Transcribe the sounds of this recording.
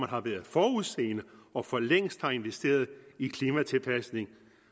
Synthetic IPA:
mænhɑ̈ʋæːɐð̞ˠfɒːuðˠse̝̰ːnəɒ̽fɒ̽leŋ̰sd̥hɑ̈e̝nʋesd̥e̝̰ːɐð̞̩ˠikʰliːmæt͡sʰe̝lpʰæsne̝ŋ

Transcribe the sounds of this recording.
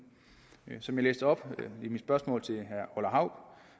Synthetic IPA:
sɒ̽mjɑlḛːsd̥əɒ̽b̥imid̥sb̥ɶɐsmɔ̰̽ːlt͡sʰe̝ɦæɐɒlɐɦɑ̈ʊ̰b̥

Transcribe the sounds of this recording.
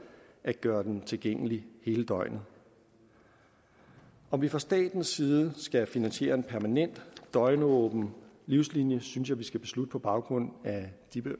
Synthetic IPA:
ʔæ̥ɡ̥ɶːɐd̥ent͡sʰe̝lɡ̥eŋ̰əlihe̝ːləd̥ɒ̽ɪ̰nð̩ˠ | ʔɒ̽mʋifʁɑ̈sd̥ɛ̰ːd̥n̩sːiːð̞ˠəsɡ̥æfinænɕje̝̰ːɐe̝npʰæɐmænen̰d̥d̥ɒ̽ɪnəɔːb̥n̩ | liʊslinjəsynsjɑ̈ɪʋisɡ̥æb̥e̝slud̥ə̥pʰɒ̽b̥ɑ̈ʊɡ̥ʁɔ̽n̰æd̥ib̥

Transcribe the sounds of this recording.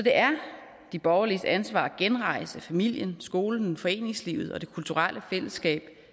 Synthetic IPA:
ɒ̽d̥e̝ʔæɐ | d̥ib̥ɒʊɐlisænsʋɑ̰̈ːɡ̥enʁɑ̈ɪəsæfæmil̰jənsɡ̥o̝ːln̩fɒ̽e̝̰ːne̝ŋslḭʊð̞̩ˠɒ̽d̥e̝kʰult͡sʰuʁal̰ʔəfel̰əsɡ̥ɛ̰ːb̥

